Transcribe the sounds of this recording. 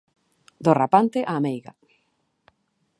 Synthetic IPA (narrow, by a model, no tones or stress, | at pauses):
d̪orapant̪eʔaːmejɣa̰